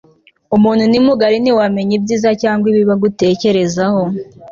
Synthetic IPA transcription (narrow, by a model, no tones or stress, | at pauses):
umuːn̥hunimuɡaɾiniwame̞ɲibɟiːzacaːŋɡwiβiβaɡute̞ːce̞ɾe̞zaho